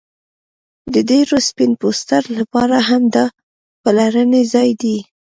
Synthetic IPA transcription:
d̪ədeɾospɪnpost̪aɾlapɑɾaɦamd̪ɑ | pəlaɾənezɑjd̪i

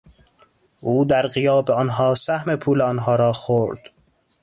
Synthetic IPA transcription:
ʔuːd̪æɾɢijɒːbeɒːnɦɒːsæhmepʰuːleɒːnɦɒːɾɒːxoɾd̪̥

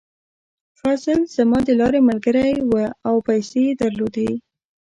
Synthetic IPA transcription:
fasəlz̥amɑd̪əlɑɾemalɡəɾajwəawpajsed̪aɾlod̪awi

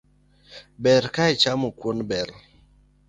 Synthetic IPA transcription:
bɛɾkait͡ʃamokwonbɛɾ

